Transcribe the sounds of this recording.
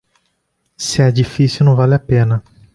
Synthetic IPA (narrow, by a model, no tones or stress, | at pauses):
sɪɛd͡ʒifisjuwnɐ̃w̃valɪapẽnɐ